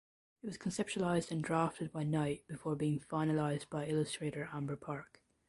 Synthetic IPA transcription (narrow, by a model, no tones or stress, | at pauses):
ɪt̚wɒz̥kʰə̃nsɛp̚t͡ʃuəlˠaɪzdə̃ndɹaftəd̚baɪnaɪʔ̚b̥ɪfɔɹbiːɪ̃ŋfaɪ̃nəlˠaɪzbaɪɪlˠəstɹ̥eɾə˞ʔãmbə˞pʰɑɹk